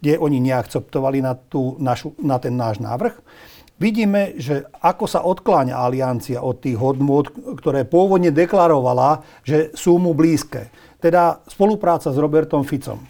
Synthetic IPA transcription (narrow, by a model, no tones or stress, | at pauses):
ɡɟɛʔɔɲiɲɛakt͡sɛp̚t̪ɔʋalinat̪uːnaʃunat̪ɛnːaːʒna̰ːʋr̩x | ʋiɟiːmɛʒɛakɔsa̰ʔɔt̪klaːɲa̰aliant͡siaʔɔt̪ːiːɣɦɔd̪nʊɔt̪kt̪ɔɾɛːpʊɔʋɔd̪ɲɛd̪ɛklaɾɔʋala | ʒɛsuːmubliːskɛ̰ː | t̪ɛd̪aspɔlupɾaːt͡sazɾɔbɛɾt̪ɔmfit͡sɔ̰m